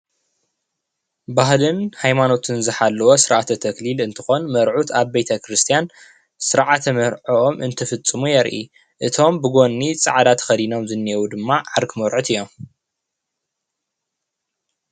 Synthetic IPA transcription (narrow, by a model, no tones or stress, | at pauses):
baɦlɨnhajmano̞t̪ʰɨnzɨħalːɐwosɨɾʕat̪ʰɐt̪ʰɐklilɨnt̪ʰɨ̥xo̞nmɐɾʕut̪aβbejt̪ʰɐkɾɨst̪ʰijan | sɨɾʕat̪ʰɐmɐɾʕoʔomɨnt̪ʰɐfɨt͡sʼːɨmujɛɾʔḭ | ʔɨt̪ʰo̞mbɨɡo̞nːit͡sʼɨ̰ʕd̪at̪xɐd̪ino̞mzɨnːiɛwud̪ɨmːaʕaɾkʰɨmoɾʕut̪ʰɨjːom